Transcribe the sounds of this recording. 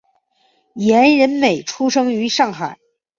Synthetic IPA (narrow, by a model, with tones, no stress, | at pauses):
jɛ˧˥nɻə˧˥nme˨˩ɪʈ͡ʂʰu˥ʂɤ˥ŋy˧˥ʂɑ˥˩ŋxa˨˩˦ɪ